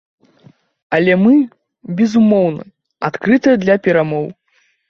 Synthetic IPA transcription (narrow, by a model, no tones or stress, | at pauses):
ɐlʲɛmɨ | bʲɛzumɔwnɐ̰ | a̰t̪kɾɨt̪ɨjɐd̪lʲɐpʲɛɾamɔw